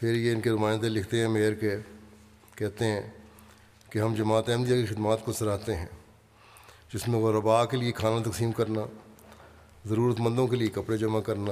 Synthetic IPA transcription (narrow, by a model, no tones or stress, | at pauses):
pʰɪɾjeɪnkenʊmaːɪnd̪elɪkʰt̪eɦɛ̃meːəɾke | kɛɦt̪eɦɛ̃ː | keɦɐ̃md͡ʒɐmaːt̪ɛ̃ːmd̪ijakixɪd̪maːt̪kosɐɾaːt̪eɦɛ̃ː | d͡ʒɪsmẽɣɐɾːɐbaːkeliekʰaːnãt̪ɐksiːmkɐɾna | zɐɾuːɾət̪mɐ̃nd̪õkeliekɐpɽed͡ʒɐmakɐɾna